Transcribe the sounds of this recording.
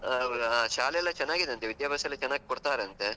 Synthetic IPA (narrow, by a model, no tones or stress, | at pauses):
ɐʋɐɾuaʃaːlejɛlːɐt͡ʃɛnːaːɡid̪eɐnt̪eʋid̪jaːbʱaːsɐɐlːɐt͡ʃɛnːaːɡikoɽt̪aːɾeɐnt̪e̞